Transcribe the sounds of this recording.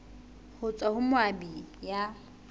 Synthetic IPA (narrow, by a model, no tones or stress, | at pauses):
hʊt͡sʼahʊmwabija